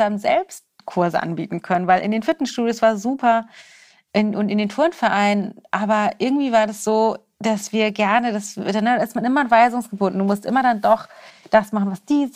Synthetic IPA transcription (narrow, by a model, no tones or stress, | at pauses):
aənzɛ̰lpst̚ | kʰʊɐzəʔa̰nbḭːtn̩kʰœnənvaɪlʔɪ̰ndeːnfɪɐtn̩ʃtuːdjosv̥aːɐzuːpɐ | ʔɪnʔʊntɪndeːntʰʊɐnfɛɐʔaɪnʔaːbɐʔɪɐɡŋ̩tv̥iːvaːɐdasz̥oː | d̥asv̥iːɐɡɛɐnədasdanədaɪstmanʔɪmɐanvaɪzʊŋsɡ̥əbʊndn̩dumʊstʔɪmɐɾandɔχd̥asmaχn̩vasd̥iː